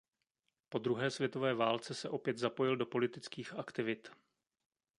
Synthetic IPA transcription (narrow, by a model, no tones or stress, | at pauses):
po̞d̪ɾuɦɛːsvjɛt̪o̞vɛːvaːlt͡sɛsɛʔo̞pjɛd̪zapo̞jɪldo̞po̞lɪt̪ɪt͡skiːxakt̪ɪvɪt̪